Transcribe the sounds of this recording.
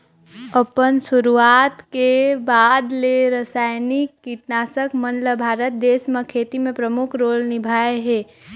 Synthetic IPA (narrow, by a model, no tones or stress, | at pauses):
əpənsʊɾuaːt̪kebaːd̪leɾəsaːjnikːiʈnaːsəkmənləbʱaːɾət̪̚d̪eːsməkʰeːt̪imẽpɾəmʊkʰɾoːlnɪbʱaːeɦeː